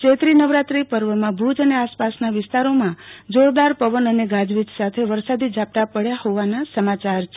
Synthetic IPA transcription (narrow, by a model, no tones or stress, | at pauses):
t͡ʃet̪ɾinəʋɾat̪ɾipəɾʋəmãbʱud͡ʒəneaspasnaʋɪst̪aɾomãd͡ʒoɽd̪aɾpəʋənəneɡad͡ʒʋit̪sat̪ʰeʋəɾsad̪id͡ʒap̚t̪apəɽjahoʋanasəmat͡ʃaɾt͡ʃʰ